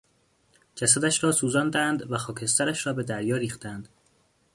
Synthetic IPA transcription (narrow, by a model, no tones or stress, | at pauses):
d͡ʒæsæd̪æʃɾɒːsuːzɒːnd̪ænd̪væxɒːkʰe̞st̪æɾæʃɾɒːbe̞d̪æɾjɒːɾiːxt̪ænd̪̥